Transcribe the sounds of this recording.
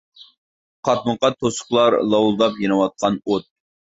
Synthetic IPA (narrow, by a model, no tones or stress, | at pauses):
qʰɑt̪̚məqɑt̪ʰosʊ̥χlˠɑɾlˠɑwulˠd̪ɑpjenɨwɑt̪̚qʰɑnot̪̚